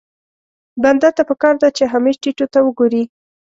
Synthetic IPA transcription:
band̪at̪apəkɑɾd̪at͡ʃeɦameʒʈiʈot̪awəɡoɾi

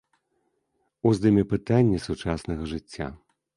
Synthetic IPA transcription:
uzd̪ɨmʲɛpɨt̪anʲːɐsut͡ʂasnɐɣɐʐɨt͡sʲːa̰

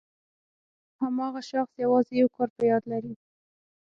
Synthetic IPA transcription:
hamɑɣaʃaxsjawɑzejawkɑɾpəjɑd̪laɾi

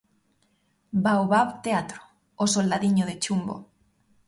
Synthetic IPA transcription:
bawβaβt̪eat̪ɾo̥ | osold̪aðiɲoðet͡ʃumbo̰

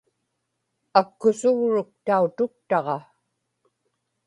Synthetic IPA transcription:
akːʊsʊɣɻʊk̚t̪aut̪ʊkt̪ɑʁɑ

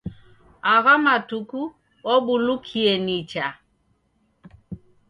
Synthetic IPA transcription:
aɣamatuku | ɔɓulukʰiɛnit͡ʃa

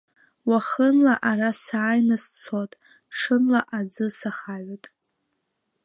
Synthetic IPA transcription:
waχənlaʔarasaːjnɨst͡sʰotʼ | ʂʰɨnlaʔad͡zɨsaχaʕʷatʼ

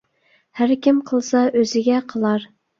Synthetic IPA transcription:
hæɾkʲimqʰəlˠsɑøzɪɡʲɛqʰəlˠɑɾ

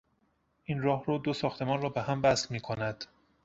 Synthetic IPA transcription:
ʔiːnrɒːhroːd̪osɒːxt̪ʰe̞mɒːnrɒːbehæmbæslmiːkʰonæd̪̥

